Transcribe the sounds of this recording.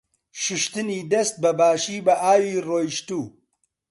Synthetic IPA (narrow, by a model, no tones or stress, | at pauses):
ʃʊʃt̪ɨniːd̪ɐst̪̚bɐbaːʃiːbɐʔaːwiːroːjiʃt̪uː